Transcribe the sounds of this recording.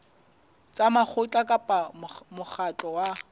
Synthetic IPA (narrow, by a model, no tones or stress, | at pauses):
t͡sʼamaχʰʊt͡ɬʼakʼapʼamʊk͡xʰat͡ɬʼɔwa